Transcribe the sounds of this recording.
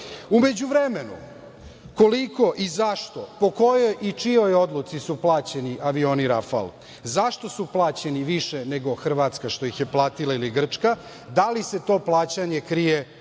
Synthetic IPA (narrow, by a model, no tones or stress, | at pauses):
ume̞d͡ʑuʋɾemenṵ | ko̞liko̞ʔizaʃt̪o̞po̞ko̞jojit͡ʂio̞jo̞d̪lˠut̪sisuplˠaːt͡ɕe̞niʔaʋio̞ːniɾafa̰lˠ | zaʃt̪o̞suplˠaːt͡ɕe̞niʋiʃeneɡo̞xr̩ʋat̪skaʃt̪o̞ixje̞plˠaːt̪ilˠailiɡr̩t͡ʂka | d̪alise̞t̪o̞ːplˠaːt͡ɕaɲekɾije